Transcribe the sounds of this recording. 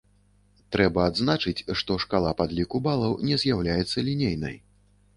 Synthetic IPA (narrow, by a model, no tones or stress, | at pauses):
t̪ɾɛbɐːd̪znat͡ʂɨt͡sʲʂt̪ɔʂkalˠapad̪lʲikubalˠɐwnʲɛzʲjawlʲajɛt̪sːɐlʲinʲejnɐ̰j